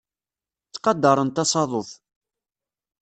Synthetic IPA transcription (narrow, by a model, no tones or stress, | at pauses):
t͡sːqɑd̪ːɑɾˤənt̪ɑsɑðˤoθ